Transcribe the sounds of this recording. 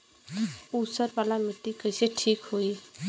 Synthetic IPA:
usəɾbaːlamɪʈ̪ːikəɪseʈʰiːkɦoːi

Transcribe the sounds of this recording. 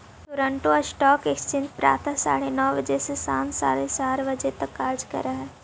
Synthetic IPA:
t̪ʊɾə̃ɳʈoɔsʈɔːkekst͡ʃɪ̃nd̪pɾa̰ːt̪ʰasa̰ːɽenɔːʋəd͡ʒɛsesa̰ːnsa̰ːɽesaːɾʋəd͡ʒet̪ɐkːaːɾd͡ʒkə̰ɾaɦɛː

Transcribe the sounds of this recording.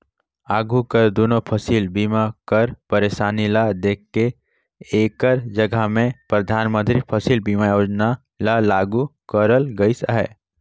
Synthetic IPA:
aːɡukəɾd̪oːnopʰɐsiːlbiːmakəɾpəɾeːʃaːnilad̪eːkːe | eːkəɾd͡ʒɐɡʱamẽpɾəd̪ʱaːnmə̃nt̪ɾipʰəsiːlbiːmajoːd͡ʒna | lalaːɡukəɾəlɡəisa̰ɦɛ̰ː

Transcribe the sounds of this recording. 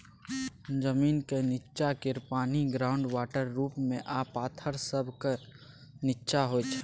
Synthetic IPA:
d͡ʒəmiːnkenɪtːʃakɪɾpaːniɡɾaːʊ̃ɳɖwaːʈəɾːuːpmẽʔaːpaːt̪ʰəɾsəbʱke | nɪtːʃaɦot͡ʃʰ

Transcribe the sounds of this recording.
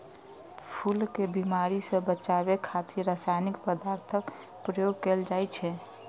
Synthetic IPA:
pʰulkebimaɾisə̃bət͡ʃabekʰat̪iɾasajnikpəd̪aɾt̪ʰək | pɾəjoɡ̚keld͡ʒajt͡ʃʰɛ

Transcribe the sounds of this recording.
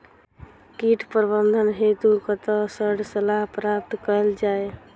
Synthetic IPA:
kiʈʰpəɾbənd̪ʱənɦet̪ukət̪əsəɾɖsəlaɦpɾap̚t̪kəld͡ʒae

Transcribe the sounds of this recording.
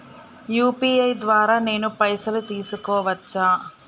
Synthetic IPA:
juːpiːɐjd̪ʋaːɾaːne̞ːnupɐjsɐlut̪iːsukɔːʋɐt͡ʃːaː

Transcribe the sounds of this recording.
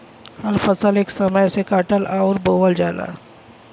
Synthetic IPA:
hɐɾfəsəleːksɐməjsekaːʈəlʔaɔɾboːʋəld͡ʒaːla̰ː

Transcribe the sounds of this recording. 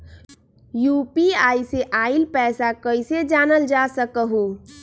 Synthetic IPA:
jupiajseʔailpɛsakəjsed͡ʒanəld͡ʒasəkəɦu

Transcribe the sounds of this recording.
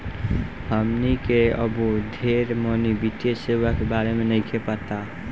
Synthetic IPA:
həmnikeəbod̪ʱeɾmənibiʈ̪esewakebaɾemenəɪkʰepət̪a

